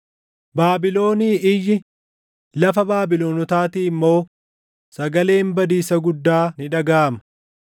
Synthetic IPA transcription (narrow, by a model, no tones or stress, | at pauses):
baːbɪlo̞ːniːʔɪjːɪ | lɐfɐbaːbɪlo̞ːnɔt̪aːt̪iːɪmːo̞ː | sɐɡɐle̞ːmbɐd̪iːsɐɡʊd̪ːaːnɪᶑɐɡaːmɐ̥